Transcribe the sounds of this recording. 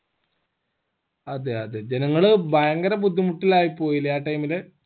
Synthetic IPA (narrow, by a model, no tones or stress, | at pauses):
ɐðeɐðed͡ʑenɐŋːɐɭɨbʱɐjɐŋɡɐɾɐbud̪ʱːimuʈːilaːjipːo̞ːjilːɐjaːʈːɐjmile